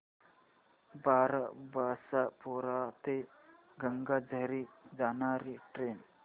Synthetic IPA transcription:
baɾabasapɔɾat̪e | ɡəŋɡad͡zəɾid͡zanaɾiʈɾen

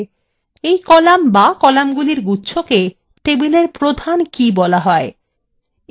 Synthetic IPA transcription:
ejkɔlambakɔlamɡuliɾɡutːʃʰoke | t̪ebileɾpɾod̪ʱankibɔlaɦɔe

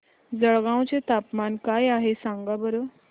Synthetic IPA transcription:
d͡zəɭɡãw̃t͡set̪apmankajaɦesãŋɡabəɾo

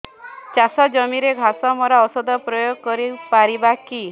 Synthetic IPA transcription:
t͡ʃasɔd͡ʒɔmiɾeɡʱasɔmɔɾaɔsɔd̪ʱɔpɾɔjoɡkɔɾipaɾibaki

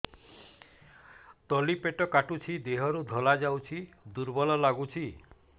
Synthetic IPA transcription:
t̪ɔlipeʈɔkaʈut͡ʃʰid̪eɦɔɾud̪ʱɔlad͡ʒawt͡ʃʰid̪uɾbɔlɔlaɡut͡ʃʰi

